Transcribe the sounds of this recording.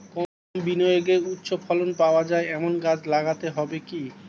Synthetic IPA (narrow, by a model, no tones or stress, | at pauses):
kɔ | binɔjoɡeut̪ːɕʰofʰɔlonpaoad͡ʑaeɛmonɡad͡ʑlaɡat̪eɦɔbeki